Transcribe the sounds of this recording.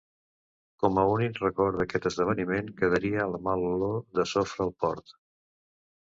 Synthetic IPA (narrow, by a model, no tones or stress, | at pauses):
kɔməunikrəkɔɾðəkɛt̪əzðəβ̞ənimeŋkəð̞əɾiəːlmaluloðəsofɾəːlˠpɔɾt̪